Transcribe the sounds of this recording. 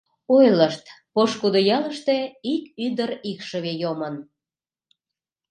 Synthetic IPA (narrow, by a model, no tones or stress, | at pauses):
ojləʃt̪poʃkud̪ojɑləʃt̪e̽ikyd̪əɾikʃəβejomən